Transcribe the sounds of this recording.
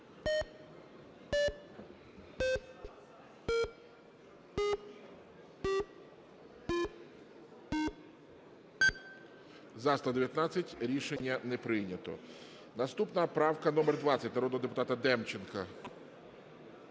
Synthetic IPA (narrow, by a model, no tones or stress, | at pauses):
zɑst̪ˠɐd̪eʋʲjɐt̪nɑt͡sʲːɐtʲɾʲiʃenʲːɐnɛpɾɪjnʲɐt̪ɔ̰ | nɐst̪upnɐpɾɑwkɐnɔmerd̪ʋɑt͡sʲɐtʲnɐɾɔd̪ɔɦɔd̪ep̬ʊt̪ɑt̪ɐd̪ɛmt͡ʃenkɐ